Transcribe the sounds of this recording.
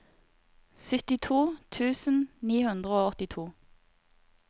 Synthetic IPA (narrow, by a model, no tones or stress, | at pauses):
sʏt̪ɪt̪ʰuːt̪ʰʉːsn̩niːhʉnd̪ʁəoːɔt̪ɪt̪ʰuː